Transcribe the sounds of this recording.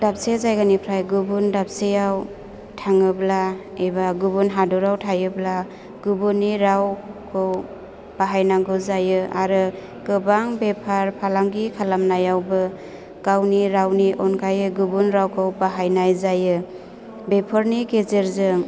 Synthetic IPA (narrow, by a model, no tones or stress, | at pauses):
dap̚sezajɡanipʰɾajɡubundap̚sejaw | tʰaŋɯbla | ebaɡubunɦadɔɾawtʰajɯbla | ɡ̥ubuniɾawkʰɯw | b̥aɦajnaŋɡɯzajɯaɾɯ | ɡ̥ɯbaŋbepʰaɾpʰalaŋɡikʰalamnajawbɯ | ɡ̥awniɾawniʔɔnkʰajɯɡubunɾawkʰɯwbaɦajnajzajɯ | bepʰaɾniɡezeɾzɯŋ